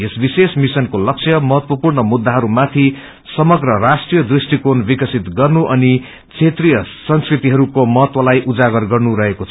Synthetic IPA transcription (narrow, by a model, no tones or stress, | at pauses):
esbisesmisʌnkolʌksʰjʌmʌɦʌt̪wʌpurnʌmud̪ːaɦʌɾumat̪ʰi | sʌmʌɡrʌrasʈrijʌd̪risʈikonbikʌsit̪ɡʌrnuʔʌni | t͡sʰet̪rijʌsʌnskrit̪iɦʌɾukomʌɦʌt̪wʌlajʔud͡zaɡʌrɡʌrnuɾʌɦekot͡sʰ